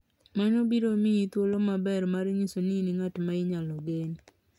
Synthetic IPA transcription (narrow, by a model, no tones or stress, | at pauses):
maɲobiɾomiit̪wolomabɛɾmaɾŋisoniniŋatmaɪɲalɔɡen